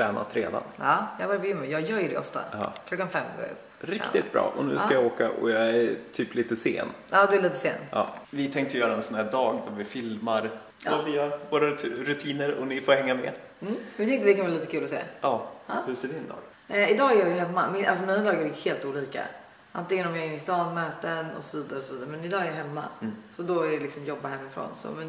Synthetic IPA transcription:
spɛːna̰t̪ʰɾḛːd̪a̰nɑːjɑːɡvaɾkəjʏmːəjɑːjœːɾjɵɖɛ̰ʔɔ̰ft̪a̰ɑ̰ːkʰlɔkːanfɛmːɡo̰ːɾɵ̰pː | ɾɪkːt̪ɪt̪̚bɾɑ̰ːʔɔnʉ̟ːsajaoːkaʔɔ̰jɑɛtʰyːpliːt̪əsḛːnɑːd̪ɵæliːt̪əseːnɑ̰ːvɪt̪ʰɛŋkt̪əjjœːɾaɛnsɔnhæːɖɑːɡd̪avɪfɪlmaɾ | aviːavoːɾaɾɵt̪ʰiːnəɾɔnɪfoːhɛŋːamɛ̰ | m̩vɪt̪ɛŋk̪t̪əd̪ɛkʰanvɑːliːt̪əkʰʉːlɔsḛːɑːɑhɵseːd̪ɪnd̪ɑ̰ːɡ̥ | ɪd̪ɑːæɾjɑjɵɦɛmːamɪʔals̬ɔmiːnad̪ɑːɡaɾɛjɵheːlt̪uːliːka̰ | ʔant̪ɪŋːənɔmjɑːɪnːɪst̪ɑːnmøːt̪ənɔ̰sɔviːd̪aɾəsɔviːd̪aɾəmɛnɪd̪ɑːɛɾjaɦɛmːa̰sɔd̪ɔæɖɛlɪksɔmjɔbːaɦɛmːɪfɾo̰ːnsɔ̰mɛn

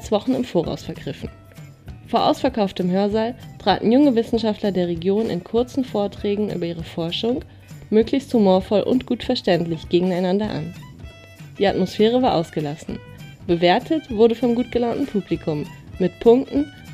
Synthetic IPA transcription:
t͡sv̥ɔχn̩ɪmfoːʁa̰ʊsfɛɐɡʁɪfn̩ | foːɐʔa̰ʊsfɛɐkaʊftəmɦœːɐzaːltʁ̥a̰ːtn̩jʊŋəvɪsn̩ʃaftlɐdeːɐʁ̞eɡjoːnʔɪ̰nkʰʊɐt͡sn̩foːɐtʁ̥ɛːɡŋ̩ʔy̰ːbɐʔiːʁəfɔɐʃʊŋ | møːklɪçsthumoːɐfɔlʔʊ̰ntɡ̥uːtfɛɐʃtɛntlɪçɡ̥eːɡŋ̩aɪnandɐʔa̰n | d̥iːatmosfɛːʁ̞əvaːɐʔaʊsɡ̥əlasn̩ | b̥əveːɐtʰətv̥ʊɐdəfɔmɡuːt̚ɡ̥əlaːntn̩pʰuːblikʰʊmːɪtpʰʊŋk̚tn̩

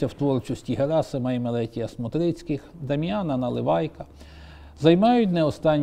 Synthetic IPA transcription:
ɐwt̪ʋɔrt͡ʃʊsʲtʲiɦeɾɑsemɛjmelˠɛtʲijɐsmʊt̪ɾɪt͡sʲkɪxd̪ɐmʲjɑnɐnɐlˠɪ̰ʋɑjkɐ | zɐjmɑjʊtʲnɛɔst̪ɑnʲː

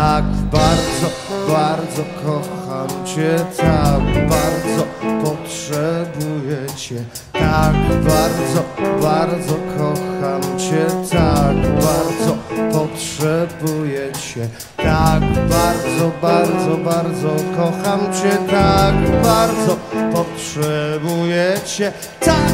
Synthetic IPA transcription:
aɡbaɾd̪zɔ | baɾd̪zɔkʰɔxamt͡ɕɛt̪aɡbaɾd̪zɔpɔtʂɛbujɛt͡ɕɛ | t̪aɡbaɾd̪zɔbaɾd̪zɔkʰɔxamt͡ɕɛt̪aɡbaɾd̪zɔpɔtʂʂɛbujɛt͡ɕɛ | t̪aɡbaɾd̪zɔbaɾd̪zɔbaɾd̪zɔkɔxamt͡ɕɛt̪aɡbaɾd̪zɔpɔtʂɛbujɛt͡ɕɛ | t̪a

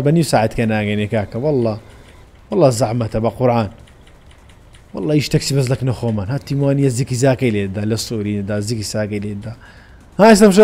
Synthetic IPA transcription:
banjusaːʕad̪kanaːɡanikaːkawɑlˤːɑː | wɑlˤːɑːzaʕmat̪abaqʊɾʕaːn | wɑ̰lˤːɑːʔiʃt̪aksibaz̬laknaxomanhat̪ːimwaːnijazikizaːkaled̪alesˤːuːɾind̪azikisaːkaled̪a | haːs̬amʃ̬a

